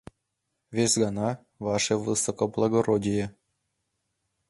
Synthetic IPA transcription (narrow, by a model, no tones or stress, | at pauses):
ʋʲesʲɡɑnɑ | vɑʂeʋɯsokoblˠɑɡorodʲijĕ